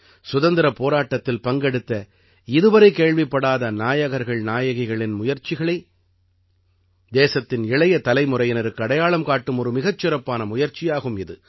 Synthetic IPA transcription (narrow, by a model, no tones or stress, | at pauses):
sʊðɐnd̪ɪɾɐpoːɾaːʈːɐt̪ːɪlpɐŋɡɛɽɯt̪ːɐ | ɪðɯʋɐɾɐɪkeːɭʋɪpːɐɽaːðɐnaːjɐɣɐɾɣɐɭnaːjɐɣɪɣɐɭɪnmʊjɐɾt͡ʃɪɣɐɭɐɪ | d̪eːsɐt̪ːɪnɪɭɐjɐt̪ɐlɐɪmʊɾɐjɪnɐɾɯkːɯɐɽɐjaːɭɐmkaːʈːɯmɔɾɯmɪɣɐt͡ʃːɪɾɐpːaːnɐmʊjɐɾt͡ʃɪjaːɣɯmɪðɯ